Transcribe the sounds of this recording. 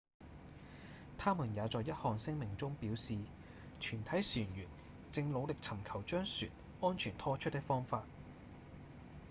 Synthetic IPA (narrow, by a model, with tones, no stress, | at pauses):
t̪ʰaː˥muː˨˩njaː˨˧t͡sɔː˨jːɐ˥t̚hɔː˨ŋsɪ˥ŋmɪ˨˩ŋt͡sʊ˥ŋpiː˨˥wsiː˨ | t͡ʃʰyː˨˩nt̪ʰɐ˨˥jsyː˨˩njyː˨˩n | t͡sɪ˧ŋlo˨˧wlɪ˨k̚t͡sʰɐ˨˩mkʰɐ˨˩wt͡ʃœː˥ŋsyː˨˩n | ɔː˥nt͡ʃʰyː˨˩nt̪ʰɔː˥t͡ʃʰɵ˥t̪̚ːɪ˥kfɔː˥ŋfaː˧t̚